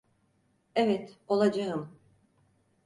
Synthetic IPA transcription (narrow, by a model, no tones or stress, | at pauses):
evɛt̪o̞lˠad͡ʒaɯm